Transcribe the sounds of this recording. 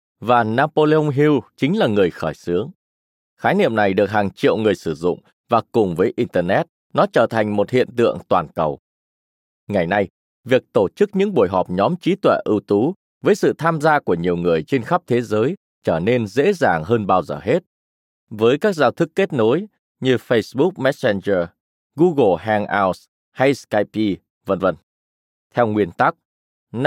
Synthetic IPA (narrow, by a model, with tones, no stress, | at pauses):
vaː˨˩naː˧po˧le˧o˧ŋ͡mɦi˧wt͡ɕï˨˦ŋ̟laː˨˩ŋɨ˨˩əjxɔː˧˩jsɨ˨˦əŋ | xaː˨˦jnḭ˧˨əmna˨˩jɗɨ˨˩ək̚haː˨˩ŋt͡ɕḭ˧˨əwŋɨ˨˩əjsɨ˧˩zʊ̰˧˨ŋ͡m | vaː˨˩kʊ˨˩ŋ͡mvəː˨˦jʔi˧nt̪əː˧nɛ˦˥t̚ | nɔ˨˦t͡ɕəː˧˩t̪ʰa˨˩jŋ̟mo˨˩t̚hḭ˧˨ənt̪ɨ̰˧˨əŋt̪waː˨˩nkə˨˩w | ŋa˨˩jna˧j | vi˨˩ək̚t̪o˧˩t͡ɕɨ˦˥k̚ɲɨ̰˧˥ŋɓu˧˩əjɦɔ˨˩p̚ɲɔ˨˦mt͡ɕi˨˦t̪wɛ̰˧˩ʔɨ˧wt̪u˨˦ | vəː˨˦jsɨ̰˧˨t̪ʰaː˧mzaː˧ku˧˩əɲi˨˩əwŋɨ˨˩əjt͡ɕe˧nxa˦˥p̚t̪ʰe˨˦zəː˨˦j | t͡ɕəː˧˩ne˧nzḛ˧˥za̰ː˨˩ŋɦəː˧nɓaː˧wzəː˨˩ɦe˦˥t̚ | vəː˨˦jkaː˦˥k̚zaː˧wt̪ʰɨ˦˥kːe˦˥t̚no˨˦j | ɲɨ˧fə˧jsɓu˦˥k̚mɛ˦˥t̚sɛ˧nzəː˧ | ɣu˧ɣo˨˩ɦa˧ŋʔaː˧ws | ha˧jska˧jpi˧ | və̰˧nvə̰˧˩n | t̪ʰɛ˧wŋwi˧ənt̪a˦˥k̚ | n